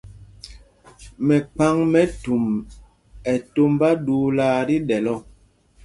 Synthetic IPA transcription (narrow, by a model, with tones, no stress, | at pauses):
mɛ˨k͡pa˦ŋmɛ˦tu˨m | ɛ˨to˦mba˦duː˦laː˦ɾi˦ɗɛ˨lɔ˦